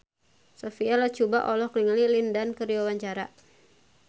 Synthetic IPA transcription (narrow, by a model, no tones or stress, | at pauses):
safialat͡ʃubaʔɔlɔhkniŋalilindankəɾiwawaɲt͡ʃaɾa